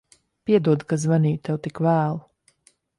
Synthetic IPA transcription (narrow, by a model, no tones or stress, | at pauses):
piɛd̪uɔd̪kazvaniːjt̪ɛwt̪ikvæːlˠu